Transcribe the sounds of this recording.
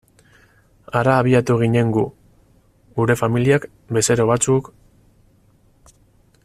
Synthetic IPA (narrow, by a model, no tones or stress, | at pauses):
aɾaːβiat̪uɣ̞iɲe̞ŋɡu | ɣuɾe̞familiak | be̞se̞ɾo̞βat͡suk